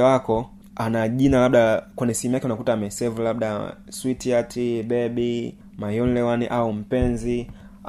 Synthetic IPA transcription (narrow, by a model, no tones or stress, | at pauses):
wakɔ | anaʄinalaɓɗakwɛnishɛmujakɛunakutaːmɛsɛvulabɗa | switiatʰiɓɛɓi | majɔnlɛwaniʔaum̩pɛnzi